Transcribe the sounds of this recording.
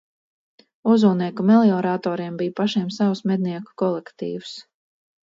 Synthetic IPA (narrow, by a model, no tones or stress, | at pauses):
uzuːniɛkumɛlˠiɔɾat̪ɔːɾiɛmbijpaʃiɛmsawsmɛd̪̚niɛku̥kɔlˠɛkt̪ḭːws